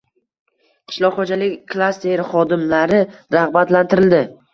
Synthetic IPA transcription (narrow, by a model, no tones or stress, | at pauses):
qʰɪ̥ʃlˠɒʁχod͡ʒalɪkʲkʰlˠast̪eɾχɒd̪ɪmlaɾɪɾaχbat̪lant̪ʰɪɾɪld̪ɪ